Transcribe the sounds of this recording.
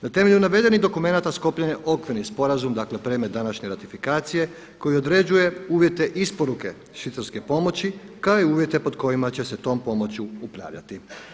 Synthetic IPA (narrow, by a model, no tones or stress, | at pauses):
nat̪e̞me̞ʎunaʋe̞d̪e̞niɣd̪o̞kume̞nat̪asko̞pʎaɲeʔo̞kʋiɾnispo̞ɾazumd̪akle̞pɾemet̪d̪anaʃɲe̞ɾat̪ifikaːt̪sije̞ | ko̞jio̞d̪ɾe̞d͡ʑuje̞uːʋje̞t̪e̞ʔispoɾuke̞ | ʃit̪saɾske̞po̞mo̞t͡ɕikaoiuːʋje̞t̪e̞po̞d̪ko̞jimat͡ɕe̞se̞t̪o̞ːmpo̞mo̞t͡ɕuupɾa̰ːʋʎa̰t̪i